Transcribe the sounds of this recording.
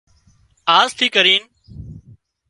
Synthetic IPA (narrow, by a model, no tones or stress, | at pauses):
aːzt̪ʰiːkəɾiːn